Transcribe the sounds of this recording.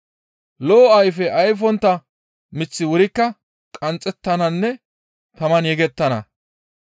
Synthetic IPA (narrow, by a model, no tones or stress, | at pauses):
loːɐjfɛʔɐjfɔnt̪ːɐ | mɪt͡sːɪwʊɾɪkːɐ | kʼɐnt͡sʼːɛt̪ːɐnɐnːɛ | t̪ɐmɐnjɛɡɛt̪ːɐnɐ̰